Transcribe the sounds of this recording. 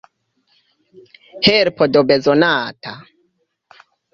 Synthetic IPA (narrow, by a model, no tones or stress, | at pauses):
heɾpodobezonaːta